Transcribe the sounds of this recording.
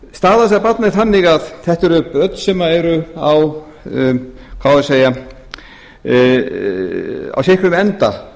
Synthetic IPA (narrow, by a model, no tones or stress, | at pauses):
st̪aːðas̬apat̪nɪɾθanːɪɣaðθɛht̪ɛɾʏpœt̪nsɛmaɛɾʏaw | kʰawaðɪseːja | a̰wsɪhkɾʏmɛnt̪a̰